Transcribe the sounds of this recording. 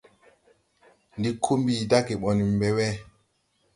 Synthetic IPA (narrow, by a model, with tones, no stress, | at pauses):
ndi˦kʰːo˦mbiː˨da˦kɛ˨ɓɔ˨ni˨mbɛ˨wɛ˦